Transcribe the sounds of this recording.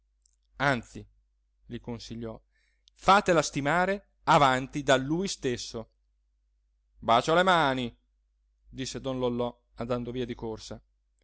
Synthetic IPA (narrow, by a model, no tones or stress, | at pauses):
ant̪si | likonsiʎːɔ | faːt̪elast̪imaːɾe | avant̪id̪alːuːjst̪esːo | baːt͡ʃolemaːni | d̪isːed̪ɔnlolːɔ | and̪and̪oviːad̪ikorsa